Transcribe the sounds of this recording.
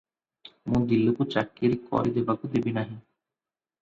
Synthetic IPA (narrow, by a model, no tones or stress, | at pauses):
mũːd̪ilːekut͡ʃakːiɾikɔ̰ɾid̪ebakud̪ebinaɦĩ